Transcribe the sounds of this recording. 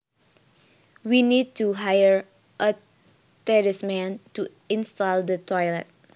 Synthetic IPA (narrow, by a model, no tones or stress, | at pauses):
winid̚tuɦajəɹ | ʔə | tɛɹɪsmɛ̃ntu | ĩnstaldətʰɔjlɛt̚